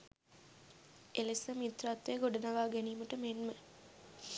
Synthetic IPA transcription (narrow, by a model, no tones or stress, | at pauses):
elesəmit̪rat̪ːʋeːɡoɖɐnɐʋaːɡeniːməʈəmenmə